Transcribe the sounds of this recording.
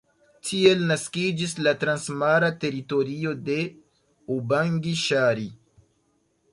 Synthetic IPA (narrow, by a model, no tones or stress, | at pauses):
tʰie̞lnaskid͡ʒislatɾansmaɾate̞ɾito̞ɾio̞de̞ | ubaŋɡiʃaɾi